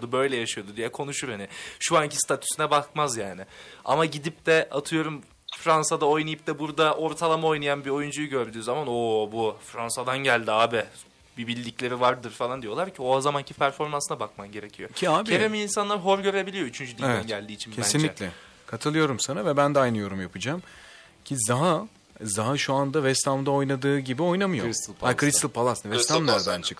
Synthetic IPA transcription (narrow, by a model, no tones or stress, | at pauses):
d̪ubø̞jlʲɛjaʃɯjo̞d̪ud̪ijɛkʰo̞nuʃuɾhanɪʃuancʰi̥st̪ʰat̪ʰy̥synɛbakmazjaːnɪa̰maɟid̪ip̚d̪ɛat̪ʰɯjo̞ɾum | fɾansad̪ao̞jnajɯp̚d̪ɛbuɾd̪aʔo̞ɾt̪ʰalˠamao̞jnajanbio̞jund͡ʒujuɟø̞ɾd̪yːzamanobufɾansad̪anɟælʲd̪iaːbɪ | bibilʲːiclʲe̞ɾivaɾd̪ɯɾfalˠand̪ijo̞lˠaɾcʰioazamancʰipʰæɾfo̞ɾmansɯnabakmamɟe̞ɾe̞cʰijocʰiaːbcievemiinsanlˠaɾɦo̞ɾɟø̞ɾe̞bilʲijoyt͡ʃʰynd͡ʒyd̪id̪ɛnɟælʲd̪iːt͡ʃʰincʰesinlʲicʲlʲɛ | kʰat̪ʰɯlˠɯjo̞ɾumsanavɛbænd̪ɛajnɯjo̞ɾumjapʰɯd͡ʒaːm | cʰizaɦa | zaɦaʃuand̪avɛst̪ʰamd̪ao̞jnad̪ɯːɟibio̞jnamɯjosakʰɾist̪ɯlˠpʰalˠasɯnvɛst̪ʰamlaɾb̪ant͡ʃʰɯk